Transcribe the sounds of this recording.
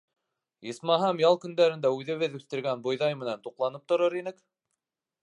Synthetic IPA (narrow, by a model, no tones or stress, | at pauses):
jɤ̆smɑɦɑmjɑlˠkɵ̆nd̪æɾɘ̆nd̪æʉðɘ̆βɘðʉθt̪ɘ̆ɾɡænbŏjðɑjmɘ̆nænt̪uqlˠɑnɤp̚t̪ŏɾoɾinɘk